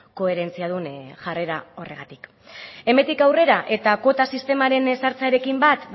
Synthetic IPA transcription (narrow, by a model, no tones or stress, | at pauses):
ko̞e̞ɾe̞nt͡siað̞unʝare̞ɾao̞re̞ɣ̞at̪i̥k | e̞me̞nt̪ikawre̞ɾaʔe̞t̪ako̞t̪asist̪e̞maɾe̞nsaɾt͡saeɾe̞kimbat̪b